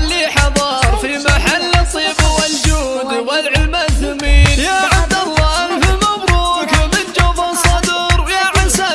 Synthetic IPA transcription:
lːiħɑðˤɑːɾˤfimaħalːt̪ˤːiːbwɪld͡ʒuː | d̪walʕɪlmad̪ʊmiːnjaːʕab̚d̪alˤːɑʔfɪlmabɾuːkamɪnd͡ʒafɑsˤɑd̪ɾwjaːʕɪnsa

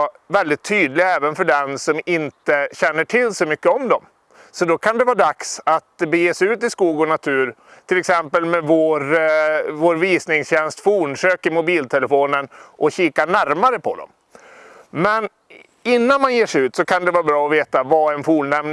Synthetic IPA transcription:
vɛld̪ɪt̪ʰːyːd̪lɪɡɛːvənfœɖɛnsɔmɪnt̪əɕɛnːəʈʰɪlsɔmʏkːəɔmd̪ɔm | sɔd̪ɔkʰand̪ɛvɑːɖ̪aksat̪bɛjeːsɛʉ̟ːt̪ɪskuːɡɔnat̪ʰʉ̟ːɾ | t̪ʰɪlɛksɛmpəlmɛvoːɾ | voːɾviːsnɪŋsɕɛnst̪fuːɳʂøːkɪmʊbiːlt̪ʰɛləfoːnənʔɔɕiːkaɳæɾmaɾəpʰɔ̰d̪ɔ̰m | mɛn | ɪnːanmanjeːʂɛʉ̟ːt̪sɔkʰand̪ɛvɑːbɾɑːɔveːt̪avaɛnfuːnɛmn

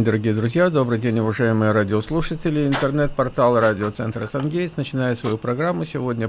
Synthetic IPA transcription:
d̪əɾɐɡʲijəd̪ɾʊzʲjad̪o̞bɾɨjdʲenʲʊvɐʐajɪmɨjəɾadʲɪoslˠuʂətʲɪlʲɪɪnt̪ərnɛt̪pɐrt̪alˠradʲɪot̪sɛ̰nt̪ɾəsɐnɡʲejɪsnət͡ɕɪnajɪt̪svɐjupɾɐɡɾamːʊsʲɪvo̞dʲnʲə

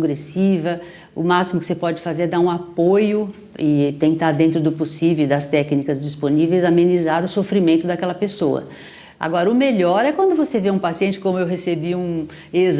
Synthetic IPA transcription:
ɡɾesivɐ | ʊ̰masimʊkɪ̥sepɔd͡ʒɪfazeɾɛd̪aɾũapojʊ | ɪt̪ẽnt̪aɾd̪ẽnt̪ɾʊd̪ʊposivewd̪ɐst̪ɛknikɐzd͡ʒisponivejzamẽnizaɾʊsofɾimẽnt̪ʊd̪akɛlɐpesowɐ̰ | a̰ɡɔɾɐʊmeʎɔɾɛkwɐ̃nd̪ʊvoseveũpasiẽnt͡ʃɪ̥kõmʊewɦesebiũ | ez

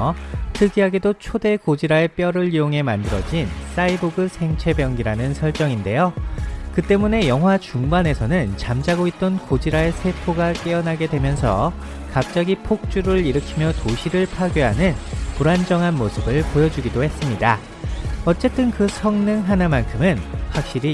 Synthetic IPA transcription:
tʰɯɡiɦaɡedot͡ɕʰode̞kod͡ʑiɾaep͈jʌɾɯɭijoŋɦe̞mandɯɾʌ̰d͡ʑins͈aiboɡɯsʰe̞ŋt͡ɕʰe̞bjʌŋɡiɾanɯnsʰʌɭt͡ɕ͈ʌŋinde̞jokɯt͈e̞mune̞jʌŋɦwat͡ɕuŋbane̞sʰʌnɯnt͡ɕamd͡ʑaɡoit̚t͈ʌnkod͡ʑiɾaesʰe̞pʰoɡak͈eʌnɦaɡe̞dwe̞mjʌnsʰʌ | kap̚t͡ɕ͈ʌɡipʰok̚t͡ɕ͈uɾɯɾiɾɯkʰimjʌtoɕʰiɾɯɭpʰaɡjoɦanɯnpuɾand͡ʑʌŋɦanmosʰɯbɯɭpojʌd͡ʑuɡidohe̞s͈ɯmɲida | ʌt͡ɕ͈e̞t͈ɯnkɯsʰʌŋnɯŋɦanamankʰɯmɯnɸwak̚ɕ͈iɾi

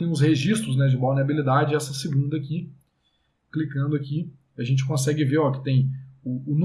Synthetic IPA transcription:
ẽj̃ʊs̬heʒist̪ɾʊznɛd͡ʒɪbawniabilid̪ad͡ʒɪɛsɐsɪɡũnd̪ɐaki | klikɐ̃nd̪ʊaki | iɐʒẽnt͡ʃɪkõsɛɡɪveɾɔkɪ̥t̪ẽj̃ʊːn

